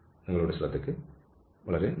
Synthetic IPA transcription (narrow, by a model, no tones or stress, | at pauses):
nɐŋːɐɭuːɽeɕiɭɐt̪ːekːɨ | ʋɐɭɐɾe̞